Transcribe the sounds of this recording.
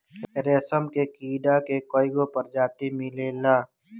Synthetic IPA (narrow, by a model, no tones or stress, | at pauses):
ɾeːsəmkekiːɖakekoːɪɡopəɾd͡ʒaːt̪imɪlelaː